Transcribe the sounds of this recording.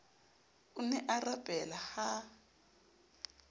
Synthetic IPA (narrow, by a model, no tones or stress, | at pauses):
unɛʔarabʼɛlaha